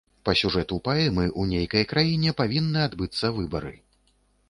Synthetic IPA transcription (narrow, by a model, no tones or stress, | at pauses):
pɐsʲuʐɛt̪upaɛmɨʔunʲejkɐjɐkɾajinʲɛpavʲinːɨad̪bɨt̪sːɐvɨbɐ̰ɾɨ̰